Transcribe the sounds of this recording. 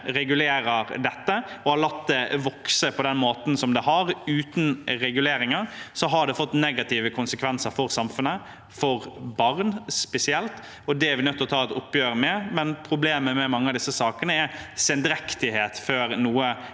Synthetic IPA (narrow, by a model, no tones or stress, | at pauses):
ɾɛɡʉleːɾəɾd̪ɛt̪ːəɔhɑlɑt̪d̪ɛʋɔksəpʰɔd̪ɛnmoːt̪n̩sɔmd̪ɛɦɑɾʉːt̪n̩ɾɛɡʉleːɾɪŋɑɾsɔɦɑɖ̪ɛfɔt̪ːnɛɡɑt̪ʰiːʋəkʰʊnsəkʰʋɛnsəɾfɔɾsɑmfʉnə | fɔɾbɑɾnspɛsɪɛlt̪ | ɔd̪ɛæɾʋɪnœt̪ːɔt̪ʰɑːɛt̪ʊpːjøːɾəmɛmɛnpʰɾʊbleːməmɛmɑŋːəɑd̪ɪsːəsɑːkənəæɾsɛnd̪ɾɛkt̪ɪheːt̪føːɾnuːə